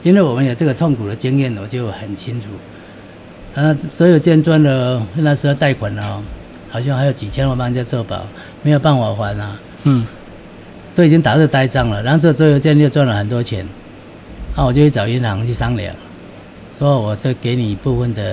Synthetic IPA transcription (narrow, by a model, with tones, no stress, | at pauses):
i˥nwe˥˩wɔ˨˩mə˦njo˨˩t͡sə˥˩ɡə˨t̪ʰɔ˥˨ŋkʰu˨d̪ə˨t͡ɕi˦˥ŋjɛ˥˨n˨wɔ˨˩t͡ɕjo˥˨ʊhə˨˩nt͡ɕʰi˦˥ŋt͡sʰu˨˩ | a˦˧sɔ˧˥jo˨˩ʊt͡ɕjɛ˥˧nt͡swa˥˩nlə˨jo˥˧˦na˥˧s̩˧˥ə˧t̪a˥˩ɪkʰwa˨˩nlə˨˦ | ha˨˩ʊɕ̬jŋha˧˥ɪjo˨˩ʊt͡ɕi˨t͡ɕʰjɛ˦n˨ɔ˨˩pa˥ŋ˧˨˩t͡ɕja˥˧t͡sɔ˥˧˩pa̰˨˩˦ʊ | me˧˥jo˨˩ʊpa˥˨nwa˨˩xwa˨˦na˨ | t̪o˥ʊi˨˩t͡ɕi˦ŋt̪a˨˩ə˥˧ə˧t̪a˥˩ɪt͡sa˥˩ŋlə˨a˧n˥˧t͡s̬ə˥˩ə˩t͡swɔ˧˥jo˧ʊt͡ɕjɛ˥˧njo˥˧t͡swa˥˩nlə˨˩xə˨˩nt̪wɔ˦˥t͡ɕʰjɛ̰˨˧˦n | na˥˧˨wɔ˨t͡ɕjo˥˧ʊɕi˥˩t͡sɑ˨˩ʊi˧˦nhɑ˧˦ŋt͡ɕʰi˥˩sa˦ŋlja̰˨˩˦ŋ | swɔ˦˨wɔ˨˩t͡sə˥˧˨ke˧˦ɪni˨˩˨pu˥˧fə˥˩nd̪ə˩